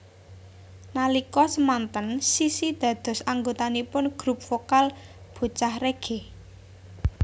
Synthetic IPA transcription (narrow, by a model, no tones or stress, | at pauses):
nalikɔsəmant̪ənsisid̪̥ä̤d̪̥ɔ̤saŋɡot̪anipʊnɡ̥ɾṳp̚fokalb̥o̤t͡ʃahreɡ̥e